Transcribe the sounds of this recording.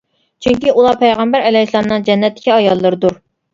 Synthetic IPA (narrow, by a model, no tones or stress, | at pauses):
t͡ʃʰyŋkʲiʔulˠɑpʰɛjʁæmbæɾɛlɛislˠɑnnɨŋd͡ʒɛnːɛt̪ʰːɪ̥kʲiɑjɑlˠːɨɾɨd̪uɾ